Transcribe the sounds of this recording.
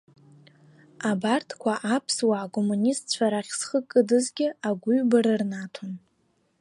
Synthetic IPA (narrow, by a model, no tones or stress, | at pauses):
abartʰkʷʰaʔapʰswaːkʼomunistʰt͡ɕʷʰaɾaχʲsχəkʼːɨdɨzɡʲɪaɡʷuɥbaɾɨrnatʰon